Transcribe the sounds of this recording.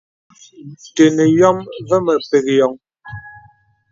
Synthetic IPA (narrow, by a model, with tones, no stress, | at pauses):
te˨nə˨jɔ˦mvə˦mə˨pe˨k̚jɔ˨ŋ